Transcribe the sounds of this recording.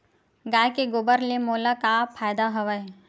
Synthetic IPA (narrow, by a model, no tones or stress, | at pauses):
ɡaːjkeɡobəɾlemoːlakapʰaːjd̪aɦɐʋəj